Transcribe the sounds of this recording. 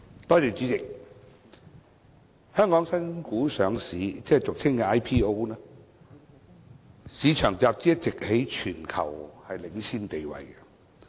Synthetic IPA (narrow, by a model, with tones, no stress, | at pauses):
t̪ɔː˥t̪yː˨˩t͡syː˨˥t͡sɪ˨k̚ | hœː˥ŋkɔː˨˥ŋsɐ˥nkuː˨˥sœː˨˧ŋsiː˨˥t͡sɛː˥˨t͡sʊ˨k̚t͡sʰɪ˥ŋkɛ˧aː˥jpʰiː˥o˥wnɛː˥ | siː˨˧˥t͡ʃʰœː˨˩ŋt͡saː˨p̚t͡siː˥jɐ˥t̚t͡sɪ˨k̚he˨˥jt͡ʃʰyː˨˩nkʰɐ˨˩whɐ˨jlɪ˨˥ŋt͡sʰiː˥nt̪e˨jwɐ̰˨jkɛ˧